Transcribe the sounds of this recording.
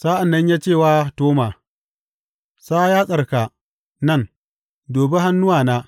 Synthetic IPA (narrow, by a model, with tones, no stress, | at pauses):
saː˦ʔa˨nːɐ˦ɲjaː˦t͡ʃeː˦˨waː˦toː˦maː˨ | saː˦jaː˦sʼɐ˨rka˨ | nɐ˦˨n | doː˨be˦ɦa˦nːʊ˦waː˨naː˦